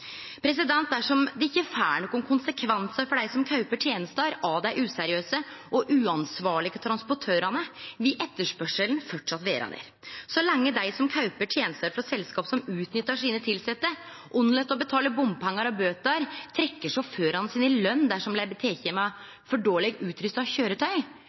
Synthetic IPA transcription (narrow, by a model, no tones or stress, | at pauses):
pʰɾɛs̬ɪd̪ɛnt̪̚d̪æʂɔmd̪ɛɪkːəfæːɳɔkːʊnkʰʊnsəkʰʋɛnsəfɔɖæɪsɔmkʰɑʉpəʈʰjeːnəst̪əɾɑːd̪æɪʔʉːsæɾɪøːsəʔɔʔʉːɑnsʋɑːɭɪɡət̪ʰɾɑnspɔʈʰøːɾɑnəʋɪʔɛt̪ːəʂpœʂəln̩fɔʈʂɑt̪ʋḛːɾɑ̰nḛɾ | sɔlɑŋːəd̪æɪsɔmkʰɑʉpəʈʰjeːnəst̪əɾfɾɑsɛlskɑːpsɔmʉːt̪nʏt̪ːɑʂiːnət̪ʰɪlsɛt̪ːə | ʔʊnːlɛt̪ːɔbət̪ʰɑːləbʊmbpʰɛŋːɑɾɔbøːt̪əɾt̪ʰɾɛkːəʂɔføːɾɑnsiːnɪlœnːd̪æʂɔmblæɪɾbət̪ʰeːçɛmɑ | fɔɖoːlɛɡʉːt̪ɾʏst̪ɑʋçøːɾət̪ʰœʏ